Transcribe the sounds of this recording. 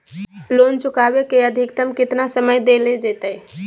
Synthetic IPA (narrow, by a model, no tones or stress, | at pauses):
loːnt͡ʃʊkabekeəd̪ʱɪk̚t̪əmkɪt̪nasəməjd̪eled͡ʒeːt̪əj